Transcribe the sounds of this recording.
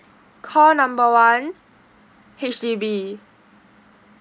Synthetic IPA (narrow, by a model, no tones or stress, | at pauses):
kʰɔːnãmbəwan | het͡ʃdiːbiː